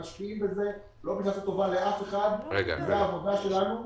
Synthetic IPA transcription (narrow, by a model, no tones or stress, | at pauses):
aʃpiimbe̞ze̞ | lo̞bitat̪ut̪o̞vale̞ʔafe̞χad̪eɡa̰zeaːvod̪aʃe̞lanu